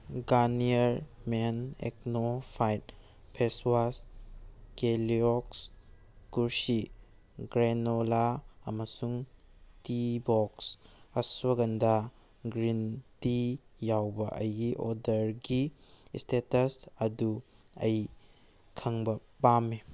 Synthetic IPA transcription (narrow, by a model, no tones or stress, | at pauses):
ɡaniɐɾmenḛk̚nopʰajt̚ | pʰeswas | keliɔks | kuɾsi | ɡɾenolaɐmɐsuŋtibɔksɐswɐɡɐnda | ɡɾintijawbɐʔɐ̰jɡiʔɔdɐɾɡistetɐsɐduɐj | kʰɐŋbɐpame